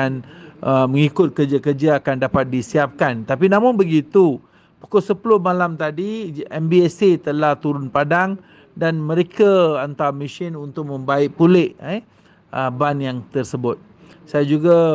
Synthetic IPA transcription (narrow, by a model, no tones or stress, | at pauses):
anəməŋikʊt̪̚kərd͡ʒakərd͡ʒaːkandapat̪̚disiap̚kant̪apinãmʊnbəɡit̪u | pu̥kosəpulʊhmalamt̪adiɛmbiɛset̪əlaht̪uɾʊnpadaŋ | danmə̃ɾekaant̪awmiʃɪnunt̪ʊk̚mə̃mbaɪʔ̚pulɪʔɛ | ʔəbanjaŋt̪ərsəbʊt̪̚ | sajad͡ʒuɡa